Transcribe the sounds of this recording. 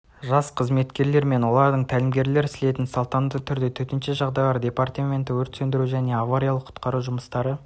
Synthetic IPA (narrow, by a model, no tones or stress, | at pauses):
ʒɑsqʰəzme̞t̪kʲe̞ɾle̞ɾme̞nwo̞lˠɑɾd̪əɴt̪ʰælɪmɡʲe̞ɾle̞ɾɪsle̞t̪ɪnsolˠt̪ɑnd̪ət̪ʰʏɾd̪et̪ʰɵt̪ɪnʃeʒɑʁd̪ɑjlˠɑɾd̪ʲe̞part̪ɑmʲe̞nt̪ɪwɵɾt̪sɵnd̪ɪɾuʒæne̞avaɾijalˠəqʰʊ̥t̪qɑɾuʒʊməst̪ɑɾə